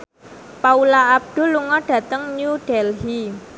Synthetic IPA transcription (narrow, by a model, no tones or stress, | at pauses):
paulaːb̚ɖ̪̥o̤luŋɔɖ̥ä̤t̪əŋnuɖ̥ɛlɦi